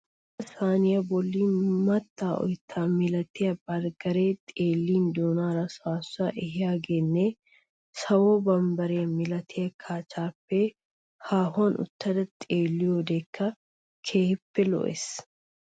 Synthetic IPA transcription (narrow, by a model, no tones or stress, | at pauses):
ɐsaːnɪjɐbɔlːiːnmɐt̪ːaːɔ̰jt̪ʰːaːmɪlɐt̪ɪjɐbɐɾɡɐɾeːt̪ʼeːlːiːnd̪oːnaːɾɐsaːsːʊɐʔɛɦɪjaːɡeːnːe | sɐwoːbɐmbɐɾɛjɐmɪlɐt̪ʰɪjɐkʰaːt͡ʃaːpːɛ | haːɦʊɐnʊ̰t̪ːɐd̪ɐt̪ʼeːlːɪjoːd̪eːkʰːɐ | kʰeːhɪpːɛlɔ̰ʔḛs